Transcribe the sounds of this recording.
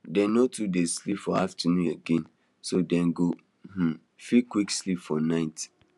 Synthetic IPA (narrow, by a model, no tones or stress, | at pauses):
dɛ̃nːotʰudezslipfɔaftənũneɡẽn | sodɛ̃nɡo | m̩ | fikwikslipfɔnaɪt